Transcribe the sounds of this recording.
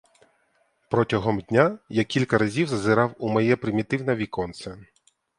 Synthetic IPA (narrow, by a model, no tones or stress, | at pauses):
pɾɔtʲɐɦɔmdʲnʲajakʲilʲkɐɾɐzʲiwzɐzɪɾɑwumɐjɛpɾɪmʲit̪ɪwnɐʋʲikɔnt̪sʲɐ